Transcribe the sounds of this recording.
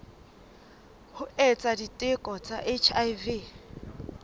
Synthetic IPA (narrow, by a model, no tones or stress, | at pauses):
hʊɛt͡sʼaditʼɪkʼɔt͡sʼaʔet͡ʃʰajvi